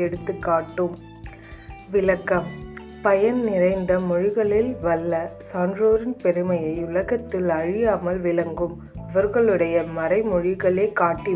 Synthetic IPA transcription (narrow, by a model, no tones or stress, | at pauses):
ɛɽɯt̪ːɯkːaːʈːɯm | ʋɪlɐkːɐm | pɐjɐnnɪrɐɪnd̪ɐmɔɻɪɣɐɭɪlʋɐlːɐsaːndroːɾɪnpɛɾɯmɐjɐɪʊlɐɣɐt̪ːɪlɐɻɪjaːmɐlʋɪlɐŋɡɯm | ɐʋɐɾɣɐɭɯɽɐjɐmɐɾɐɪmɔɻɪɣɐɭeːkaːʈːi